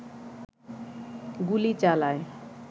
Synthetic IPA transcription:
ɡulit͡ɕalae

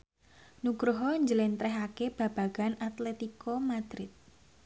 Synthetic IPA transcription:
nuɡɾuɦɔɲd͡ʒəlɪnt̪ɾɛɦakeb̥ä̤b̥ä̤ɡ̥anat̪lɛt̪ikomad̪̥ɾɪt̪̚

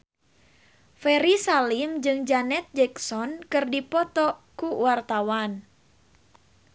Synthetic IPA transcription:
fɛɾisalimd͡ʒɨŋd͡ʒanɛt̪̚d͡ʒɛksɔnkɨrdipɔt̪ɔkuwart̪awan

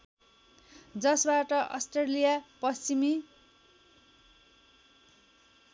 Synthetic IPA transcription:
d͡zʌsbaʈʌʔʌ̰sʈrelijapʌst͡simi

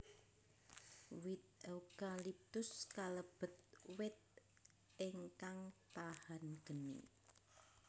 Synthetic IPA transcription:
wɪt̪̚eukalip̚t̪ʊskaləb̥ə̤t̪̚wɪt̪̚ | ʔeŋkaŋtahanɡ̥ənḭ

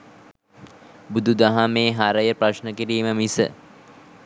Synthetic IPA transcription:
bud̪ud̪aɦameːɦaɾəjəpraʃnəkiɾiːməmisə̰

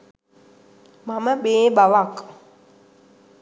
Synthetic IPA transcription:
mamaɓeɓawakʼ

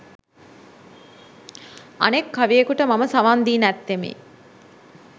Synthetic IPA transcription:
ɐ̰nekːaʋijekuʈəmaməsaʋand̪iːnæt̪ːemḭː

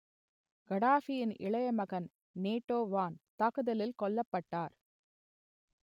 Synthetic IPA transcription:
ɡ̥ɐɽaːfɪjɪnʔɪ̰ɭɐjɐmɐɣɐn | neːʈːoːʋaːnt̪aɣɯðɐlɪlkɔɭːɐpːɐʈːaːɾ

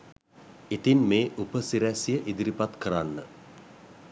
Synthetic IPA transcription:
it̪inmeːʔupəsiɾæsijəʔid̪iɾipat̪kəɾanːə

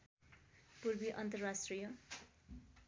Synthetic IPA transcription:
purbiʔʌnt̪ʌrasʈrijʌ

